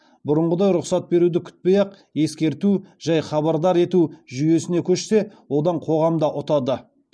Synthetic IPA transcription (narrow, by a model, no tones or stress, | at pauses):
bʊɾʊɴʁəd̪ɑjɾʊqsɑt̪̚be̞ɾud̪ɪkʲʰʏ̥t̪̚pejɑq | e̞skʲe̞ɾt̪uʒ̥æjχɑβɑɾd̪ɑɾe̞t̪uʒʏje̞sɪne̞kʲʰɵʃse̞wo̞d̪ɑɴqʰo̞ʁɑmd̪ɑʔʊt̪ɑd̪ə